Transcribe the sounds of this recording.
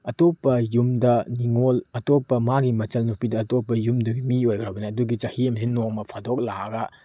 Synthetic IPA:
ɐtopːɐjumdɐniŋolɐtopːɐmaɡimɐt͡ʃɐlnupidɐːtopːɐjumduɡimiojɡɾɐbɐnɐːduɡit͡ʃɐhiɐmsinːoŋmɐpʰadok̚laɐɡɐ

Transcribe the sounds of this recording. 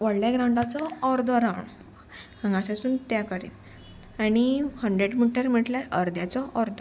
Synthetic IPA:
ʋəɽljaɡɾãwɳɖat͡sɔːɾd̪ʱɔɾawɳ | ãŋɡãsasuːnt̪jakəɾḭːl | aɽ̃ihəɳɖɾeɽmiʈəɾm̤iʈljaɾəɾd̪jat͡sɔʔɔɾd̪ʱɔ

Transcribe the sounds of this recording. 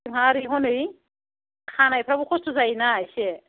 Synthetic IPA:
ŋɦaɾijɦɔnɯj | kʰanajpʰɾabukʰɔstɔzajnaːjsɛ

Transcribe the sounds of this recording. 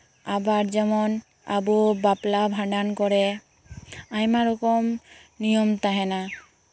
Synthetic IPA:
abaɾd͡ʒɛmɔn | a̰bubaplabʱãɖankɔɾɛ | ajmaɾɔkɔmnijɔmt̪aɦɛna

